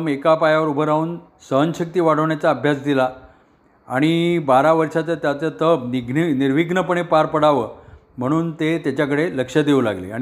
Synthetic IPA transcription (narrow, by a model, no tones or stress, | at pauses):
mekapajaʋəɾubʱəɾauːn | səɦənɕək̚t̪iːʋaɽ̤əʋɳjat͡saəbʱjasd̪ila | aɽ̃ibaɾaʋəɾʂat͡sət̪jat͡sət̪ʰəbniɡniniɾʋiɡnəpəɳ̃epaɾpəɽ̤aʋəː | m̤əɽ̃uːnt̪et̪jat͡ɕjakəɽeləkʂəd̪eula̰ɡlḛa̰ɽi